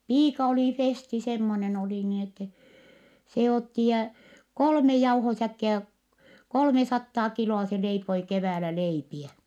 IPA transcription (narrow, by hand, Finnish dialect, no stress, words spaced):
piːkɑ oli festi semːonen oli niːn etːɛ se otːi jæ kolme jɑuhosækːiæ kolmesɑtːɑː kiloɑ se leipoi keʋæːlæ leipiɛ